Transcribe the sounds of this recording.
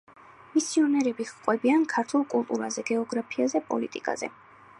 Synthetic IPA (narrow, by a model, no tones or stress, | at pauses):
misiɔnɛɾɛbiχqʼwɛbiankʰaɾt̪ʰulˠkʼulˠt̪ʼuɾazɛɡɛɔɡɾapʰiazɛpʼɔ̰lit̪ʼḭkʼa̰zɛ̰